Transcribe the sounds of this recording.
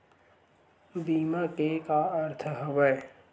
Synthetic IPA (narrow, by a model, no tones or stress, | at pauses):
biːmakekaɐɾt̪ʰəɦɐʋəj